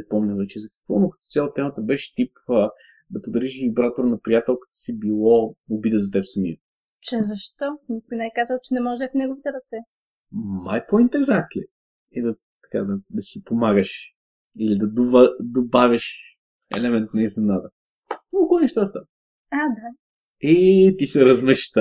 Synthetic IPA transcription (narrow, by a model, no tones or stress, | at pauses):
pɔmnʲəvɛt͡ʃɛzɐkɐ̥kvɔ̰nokɐ̥t̪ɔ̥t̪sʲalˠt̪ːɛmət̪əbɛʃɛ̥t̪ipə | d̪ɐt̪ʊd̪ɾiʃvibɾat̪oɾnɐpɾijat̪ɛlˠkə̥t̪o̥sibilˠɔobid̪əzɐt̪ɛfsɐmḭ | t͡ʃɛzɐʃt̪ɔnikʊjnaɛkazəlˠt͡ʃɛnɛmɔʒɛfnɛɡovit̪ɛɾɐt̪sɛ | majpɔĩnt̪ɛɡzakʲɛ | id̪ɐ | t̪ɐ̥ka̰d̪ɐd̪ɐsipomaɡəʃ | ilid̪ɐd̪oad̪obavʲəʃ | ɛ̰lɛmɛnt̪nɐizmɛnat̪ə | kɔlˠkuvnɛʃt̪ast̪a | ad̪a | it̪isɛɾɐzmɛʃt̪ə